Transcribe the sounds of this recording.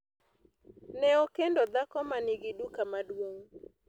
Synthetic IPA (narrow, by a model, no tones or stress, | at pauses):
nɛokendod̪akɔmanɪɡɪdukamadwoŋ